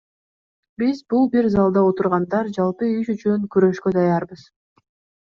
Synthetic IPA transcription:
bizbulˠbiɾzɑlˠd̪ɑot̪uɾʁɑnd̪ɑɾd͡ʒɑlˠpɯyʃyt͡ʃyŋkyɾø̞ʃkø̞d̪ɑjɑɾbɯz̥

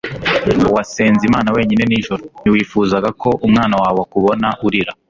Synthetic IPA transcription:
wase̞ːnzimaːnawe̞ːɲine̞niːʒuɾoniwiːfuːzaɡako̞ʔumŋaːnawaːβoakuβo̞naʔuɾiɾa

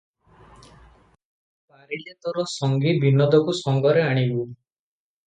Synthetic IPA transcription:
baɾilet̪ɔɾɔsɔŋɡibʱinɔd̪ʱɔkusɔŋɡɔɾeaɽ̃ibu

